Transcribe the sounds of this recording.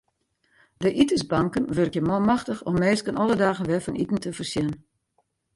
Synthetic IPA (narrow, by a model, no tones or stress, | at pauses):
dəʔitəsbɑŋkənʋørkjəmɔmaxtəxɔmːeːskənʔɔlˠədaːɣənʋɛfənḭtn̩təfərsjɛn